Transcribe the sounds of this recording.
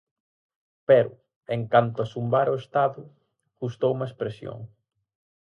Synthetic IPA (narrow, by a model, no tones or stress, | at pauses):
pɛɾʊ | eŋkant̪ʊasumbaɾoest̪aðʊ | ɣust̪owumɐespɾesjo̰ŋ